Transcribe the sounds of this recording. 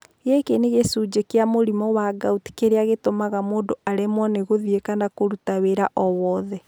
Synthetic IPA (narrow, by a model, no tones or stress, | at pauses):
jekeneɣesud͡ʒekeamoɾimɔwaɡauti̥keɾeaɣetomaɣamoːndoaɾemwɔneɣoðiekanakoɾutaweɾaʔɔwɔðɛ